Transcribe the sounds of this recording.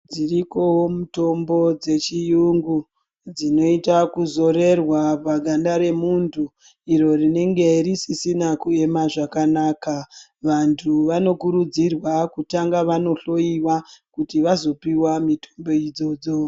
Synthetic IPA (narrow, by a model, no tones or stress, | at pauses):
d͡ziriko̞ɦomuto̞mbo̞d͡ze̞t͡ʃijuŋɡu | d͡zino̞itakuzo̞ɾe̞rwapaɡʱandaɾe̞muntʰu | iɾo̞rine̞ŋɡe̞risisinakue̞maʐakanaːka | ʋantʰuʋano̞kuɾud͡zirwakutaŋɡaʋano̞ɬo̞iwakutiʋazo̞piwamitʰo̥mbo̞id͡zo̞d͡zo̞